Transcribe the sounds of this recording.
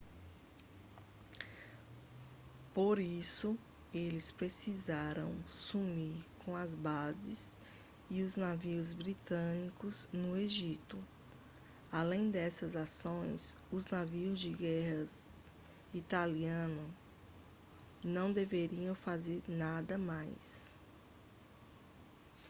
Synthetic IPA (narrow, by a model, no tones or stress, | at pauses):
poɾisʊ | elɪspɾesizaɾɐ̰̃w̃sumiɾkõɐzbazɪs | iʊznaviʊzbɾit̪ɐ̃nikʊznʊeʒit̪ʊ | alẽj̃d̪ɛsɐzasõj̃s | ʊznaviʊzd͡ʒɪɡɛhɐs | it̪aliɐ̃nʊ | nɐ̃w̃d̪eveɾiɐ̃w̃fazeɾnad̪ɐmajs